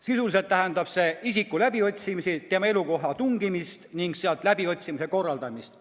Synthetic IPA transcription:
sisulis̬e̞lt̪ːæɦɛnd̪̥ɑb̥se̞isikːˑulæb̥io̞t̪ʲsimisit̪emɑe̞luko̞ɦɑt̪uŋɡ̥imist̪niŋɡ̥seɑlt̪ˑlæbio̞t̪ʲsimiseko̞rːɑld̪̥ɑmist̪

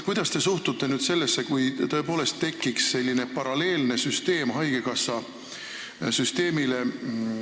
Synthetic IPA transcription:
kujd̪̥ɑst̪e̞suht̪ut̪ːe̞nyːd̪̥se̞lːesːe̞kujt̪ɤ̞epo̞ːle̞st̪ːe̞kːiksːe̞lʲːinepɑɾɑle̞ːlne̞syst̪e̞ːmɦɑjke̞kɑsːɑ | syst̪e̞ːmile̞

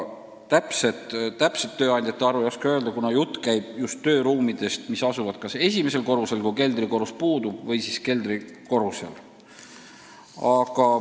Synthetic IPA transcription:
t̪æpse̞t̪t̪ːæpset̪ːø̞ːɑnʲd̪̥ʲɑt̪ːˑeɑɾujoskeøeld̪ɑkunɑjut̪ːˑkæjb̥just̪ːø̞ːɾuːmid̪̥e̞st̪misɑsuvɑd̪̥kɑse̞sʲime̞s̬e̞lko̞ɾuse̞lkuke̞ld̪riko̞ɾuspuːd̪ub̥vɤjsiske̞ld̪ri | ko̞ɾuse̞̰l | ɑɡ̥ɑ

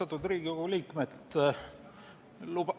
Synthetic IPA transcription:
ɑt̪ːˑud̪riːɡ̥ikuliːkmet̪ | lub

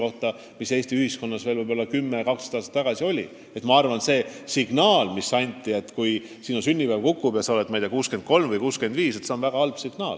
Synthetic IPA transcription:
o̞ht̪ɑ | mise̞ːst̪iyhisko̞nːɑsve̞ːlvɯjbolːɑkymːekɑksɑd̪ɑːst̪ɑt̪ːɑɡ̥ɑsio̞lʲḭ | et̪mɑɑrvɑnse̞ːsiɡ̥nɑːlmisːɑnʲt̪ʲːˑie̞t̪ːkuj | sinusynʲːibælkukːˑub̥jɑsɑoet̪mɑjd̪̥ekuːske̞nd̪̥̚ko̞lmvɯjkuːske̞nd̪viːse̞t̪seonvæɡ̥ɑɑlb̥siɡ̥nɑːl

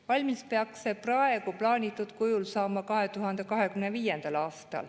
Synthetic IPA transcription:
vɑlʲmispeɑkseprɑe̞ɡuplɑːnʲit̪ːˑud̪̥kujulsɑːmɑkɑɦe̞t̪uɦɑnd̪e̞kɑɦe̞kymneviːjend̪̥ɑlɑːst̪ɑ̰l

